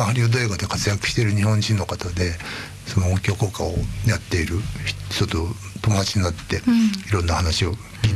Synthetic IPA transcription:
ahaɾʲiod̪oeɡad̪e̞kat͡sɨjakɯ̟̥ɕi̥t̪eɾɯ̟ɲ̟ihõ̞ɲd͡ʑĩnːo̞kat̪ad̪e̞ | sonoːkʲo̞ːko̞ːka̰ojat̪ːe̞iɾɯ̟ç̥ç̥t̪o̞t̪ot̪o̞mo̞d̪at͡ɕiɲinat̪ːe̞iɾõ̞nːahanaɕio̞ | kʲiːt̪

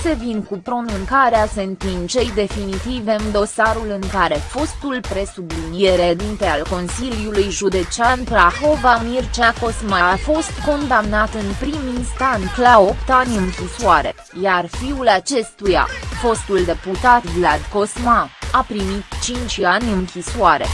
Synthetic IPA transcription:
se̞vinkupɾo̞nuŋkaɾease̞nt̪int͡ʃe̞jd̪e̞finit̪iveɨnd̪o̞saɾulɨŋkaɾe̞fo̞st̪ulpɾe̞sublinije̞ɾed̪int̪e̞alko̞nsiljulujʒud̪e̞t͡ʃeanpɾaxo̞vamirt͡ʃako̞smaːfo̞st̪ko̞nd̪amnat̪ɨnpɾiminst̪ant̪lao̞pt̪anʲɨŋkʲisuaɾe̞̰ | jarfiulat͡ʃe̞st̪uja̰fo̞st̪uld̪e̞put̪at̪vlad̪ko̞smaapɾimit̪t͡ʃint͡ʃʲanʲɨŋkʲisuaɾe̞̰

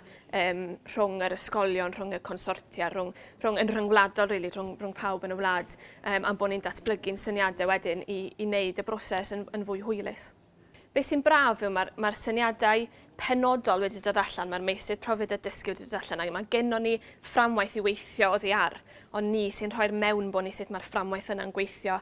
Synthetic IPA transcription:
əːmr̥ʊŋəɾəskɔlˠjɔnr̥ʊŋəkʰɔnsɔrtʰjarʊŋr̥ʊŋənr̥əŋwlˠadɔlˠriːlˠir̥ʊŋrʊŋpʰawbənəwlˠaːd̥əːmʔamboːnindatʰb̥lˠəɡɪnsənjadɛwɛdɪniːneɨdəbrɔsɛsənənvʊɨɦʊɨlˠɪ̰s | b̥eːssinbraːvɪwmarmarsənjadaɨ | pʰɛnɔdɔlˠwɪdɪdadaɬanmarmejsɨð̥pʰrɔvɨdədəskɪwdɪdadaɬanaɡmaɡɪnɔnːiframwajθiwejθjɔoðiar | ɔnːisɪnr̥ɔɨrmɛwnboːnisɪtʰmarframwajθənanɡwejθjɔ

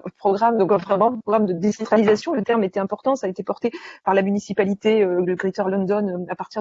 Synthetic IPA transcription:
pχɔɡʁamd̪ɔ̃kvʁɛmɑ̃pχɔɡʁamd̪əd̪esɑ̃t̪χalizasjɔ̃lət̪ɛʁmet̪ɛɛ̃pɔʁt̪ɑ̃saːet̪epɔʁt̪epaʁlamynisipalit̪eøləɡʁit̪ɔʁlɔ̃nd̪ɔnøapaʁt̪iʁ

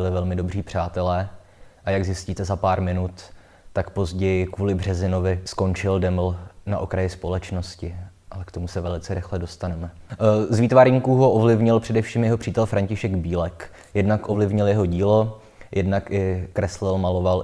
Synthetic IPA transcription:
ɪlɪvɛlmɪdo̞briːpr̥aːt̪ɛlɛː | ʔajaɡzɪsciːt̪ɛzapaːɾmɪnut̪ː | akpo̞zɟɛjɪkvuːlɪbr̝ɛzɪno̞vɪsko̞nt͡ʃɪldɛml̩naʔokɾajɪspo̞lɛt͡ʃno̞scɪʔalɛkt̪omusɛvɛlɪt͡sɛɾɪxlɛdo̞st̪anɛmɛzviːt̪vaɾɲikuɦo̞ʔovlɪvɲɪlpr̥ɛdɛfʃiːmjɛɦo̞pr̥iːt̪ɛlfɾʔaɲcɪʃɛɡbiːlɛk | jɛdnakʔo̞vlɪvɲɪljɛɦo̞ɟiːlo̞ | jʔɛdnakɪkɾɛslɪlmalo̞val

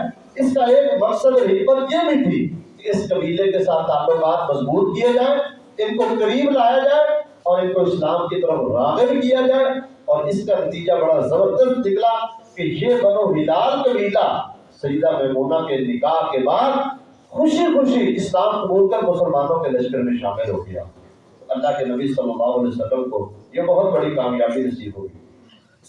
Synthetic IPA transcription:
ɪskaeːkmɐksəd̪eɦɪkmət̪jebʱĩt̪ʰikeɪskɐbiːlekesaːt̪ʰaːpebaːt̪mɐzbuːt̪̚kijed͡ʒaːe | ɪnkokɐɾiːblaːjad͡ʒaːe | ɔːɾɪnkoɪslaːmkit̪ɐɾəfɾa̰ːɡeɦikijad͡ʒaːe | ɔːɾɪskanɐt̪iːd͡ʒabɐɽazɐbəɾd̪əst̪nɪklakejebɐnoɦɪlaːlkɐbiːla | sɐjːd̪amɛːmuːnakenɪkaːɾkebaːd̪ | xʊʃixʊʃiɪsnaːmkʊbuːlkɐɾmʊsəlmaːnõkelɐʃkəɾmẽʃa̰ːmɪlɦo̰ɡɐja̰ː | ɐlːakenɐbisɐlːəmaːoɐlɛɦsɐkəmkojebɐɦʊt̪bɐɽikaːmjaːbinɐsiːbɦo̰ːɡiː

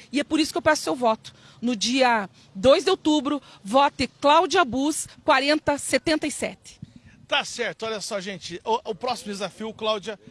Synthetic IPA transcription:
ɪɛpʊɾisʊ̥kewpɛsʊ̥sewvɔt̪ʊ̥ | nʊd͡ʒiɐ | d̪ojzd̪ɪowt̪ubɾʊ | vɔt̪ɪklawd͡ʒiɐabuskwaɾẽnt̪ɐset̪ẽnt̪ɐisɛ̰t̪ɪ̥t̪asɛɾt̪ʊɔʎʲɐsɔʒẽnt͡ʃɪʊpɾɔsimʊd̪ezafiʊklawd͡ʒiɐ

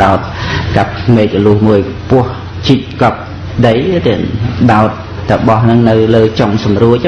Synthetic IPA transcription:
ɗaɔt̪̚kap̚meːk̚rəlŭəhmuəjpʊ̆əh | t͡ɕit̪̚kɑp̚ | ɗəjt̪eɗaɔt̪̚ːəɓɑhnɨŋnɨwləːt͡ɕoŋsɑmruəc̚

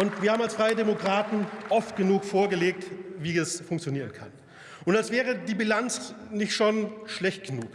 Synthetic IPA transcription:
ʔʊntv̥iːɐhabmalsfʁaɪədemokʁ̥aːtn̩ʔɔftɡ̥ənuːkfoːɐɡəleːk̚tviːɛsfʊŋk̚t͡sjoniːʁənkʰa̰n | ʔʊntalsv̥ɛːʁ̞ədiːbilant͡snɪçtʃonʃlɛçt̚ɡ̥ənuːk

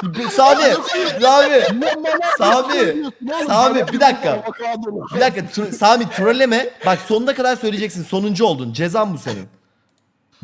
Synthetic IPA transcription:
saːmiaːmi | saːmisamibid̪akːa | bid̪akːat̪ʰɾsaːmit̪ʰɾolʲemɛbakso̞nund̪akʰad̪aɾsø̞jlʲed͡ʒɛc̚sinso̞nund͡ʒuo̞lˠd̪und͡ʒe̞zambusḛnḭn

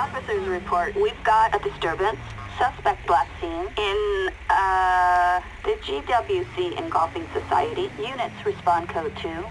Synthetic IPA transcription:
ɑfɨsə˞zɹɨpʰɔɹt̚wivɡɑɾɨdɨstɜ˞bɨ̃nsː | ʌspɛk̚t̚b̥læksĩnɪ̃n | ðɨd͡ʒidʌbjʉsiʔɨ̰̃nɡɔlˠfɪ̃ŋsɨsa̰ɪɨɾijʉnɨtsɹɨspɑ̃nkʰoʊd̚tʰʉ

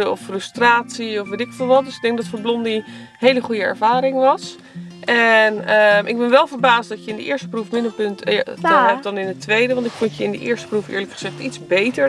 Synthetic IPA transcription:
əɔfrɵstraːtsiɔfʋetɪkfɪlˠʋɑt̚døsɪɡ̚dɛŋɡ̚dɑtfʊːɹblɔndi | ɦejləχujəɛ̰ɹvaːɾɪŋʋɑs | ʔɛnəmʔɪɡ̚bɛnʋɛlˠvəɹbaːsdɑtjəɪndəʔɪːɹstə̥prufmɪndəlpɵntja̰aɛp̚dɑnɪnətʋejdəʋɑntɪkfɔntjəɪndə̰ʔɪ̰ːɹstə̥prufɪ̰ːɹləkχəz̥ɛχtitzbejtə

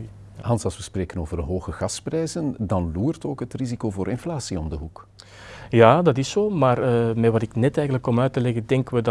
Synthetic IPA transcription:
ɦɑnsɑlˠswʋəspreːkənoːvərəɦoːɣəɣɑsprɛjzəndɑnluːrtoːkɦətrizikoːvoːɾʔɪnflaːsiɔmdəɦuk | jaːdɑtɪsoːmaːrəmɛʋɑtɪknɛtɛjɣənləkːɔmœɥtəlɛɣədɛŋkəʋəd

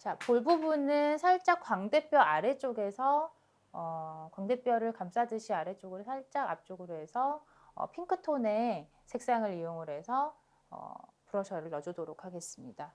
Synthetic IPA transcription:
t͡ɕapoɭbubunɯnsʰaɭt͡ɕ͈ak͈waŋde̞p͈jʌʔaɾe̞t͡ɕ͈oɡe̞sʰʌ | ʌkwaŋde̞p͈jʌɾɯɭkams͈ʰadɯɕʰiaɾe̞t͡ɕ͈oɡɯɾosʰaɭt͡ɕ͈aɡa̰p̚t͡ɕ͈oɡɯɾoɦesʰʌ | ʌ̰pʰiŋkʰɯtʰone̞ | sʰe̞k̚s͈aŋɯɾijoŋɯɾe̞sʰʌ | ʌ̰puɾʌɕʰʌɾɯɭːʌd͡ʑudoɾokʰaɡe̞s͈ɯmɲida

